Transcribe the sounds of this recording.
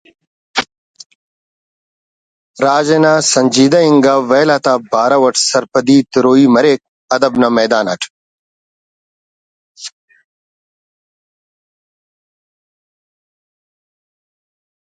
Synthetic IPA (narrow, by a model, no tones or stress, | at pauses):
ɾaːd͡ʑenasɐɲʲd͡ʑiːd̪ɐiŋɡaːʋeːlat̪abaːɾɐwɐʈʰsɐɾpɐd̪iːt̪iɾoːiːmɐɾeːk̚ | ɐd̪ɐbnɐmeːd̪aːnɐʈʰ